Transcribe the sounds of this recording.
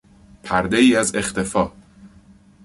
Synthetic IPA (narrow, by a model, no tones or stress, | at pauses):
pʰæɾd̪e̞iːæze̞xt̪ʰe̞fɒː